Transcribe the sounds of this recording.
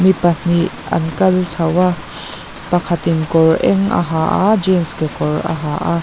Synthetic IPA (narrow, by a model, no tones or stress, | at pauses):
mipɐn̥iʔ | ɐ̰nkɐlt͡sʰɐwa | pɐkʰɐt̪inkɔrʔɛŋʔɐ̰ɦaːʔa̰d͡ʒɛnskekɔrɐ̰ɦaːʔa